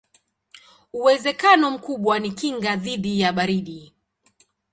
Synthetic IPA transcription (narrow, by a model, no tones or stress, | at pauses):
uwɛzɛkanɔm̩kuɓwanikiŋɡaðiɗijaɓaɾiɗi